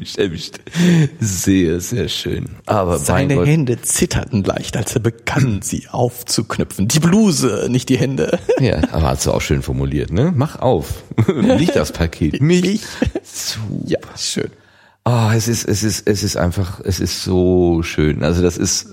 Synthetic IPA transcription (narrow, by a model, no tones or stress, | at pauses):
ɛmɪç | zeːɐzeːɐʃø̰ːnʔaːbɐmzaɪɪnəɔhɛndət͡sɪtʰɐ̰tn̩la̰ɪçtʔalseːɐbəɡ̥anzḭːʔaʊft͡suknʏpp͡fn̩diːbluːzənɪçt̚d̥iːhɛndəja̰ːʔa̰ːbɐ̰ha̰td̥ṵa̰ʊʃøːnfɔɐmuliːɐtnəmaχʔa̰ʊfnɪçd̥aspʰakʰeːtmɪɪt͡suːasʃø̰ːn | ʔaɛsɪstɛsɪstɛsɪstʔa̰ɪnfaχɛsɪstz̥oːʃøːnʔa̰lzodasɪ̰st